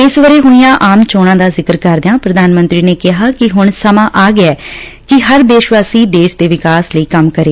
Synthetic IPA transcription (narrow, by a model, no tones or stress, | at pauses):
ɪsʋəɾeːɦʊɳ̃ijãːʔaːmt͡ʃoːɽ̃ãːd̪aːzɪkəɾkəɾd̪ejãːpɾəd̪aːnmə̃nt̪ɾiːneːkɪɦaːkɪɦʊɳsəmãːʔaːɡɪɛː | kɪɦəɾd̪eːʃʋaːsiːd̪eːʃd̪eːʋɪkaːsləiːkəmkəɾeː